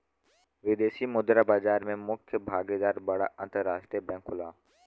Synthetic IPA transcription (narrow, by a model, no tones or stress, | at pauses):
ʋɪd̪eːʃimʊd̪ɾabaːzaːɾmẽmʊkʰjəbʱaːɡed̪aːɾbɐɽa̰ʔɐ̃nt̪əɾːaːʃʈɾijbɛ̃ːŋkʰʊlaː